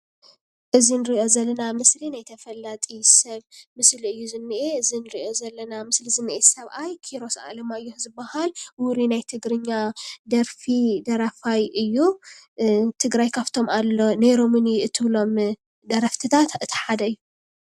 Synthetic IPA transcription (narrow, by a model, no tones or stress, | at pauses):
ʔɨzinɨɾiʔo̞zɐlːɐnamɨslinajt̪ʰɐfɐlːat̪ʼisɐβmɨsliɨjːuzɨnːɨʔeɨzinɨɾiʔo̞zɐlːɐnamɨslizɨnːɨʔesɐβʔajkʰiɾo̞sa̰lɐmaɨjːuzɨbːahalwuɾinajt̪ʰɨɡɾɨɲːad̪ɐɾfid̪ɐɾafajɨjːu | t̪ʰɨɡɾajkʰaβt̪ʰo̞malːo̞neɾomɨniɨt̪ʰɨβlo̞m | d̪ɐɾɐft̪ʰɨt̪ʰat̪ɨt̪ʰi̥ħad̪ɐɨjːu